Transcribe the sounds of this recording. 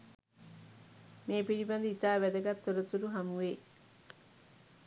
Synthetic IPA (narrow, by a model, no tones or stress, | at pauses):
meːpiɾiband̪əit̪aːʋæd̪əɡat̪ːoɾət̪uɾuɦamuʋeː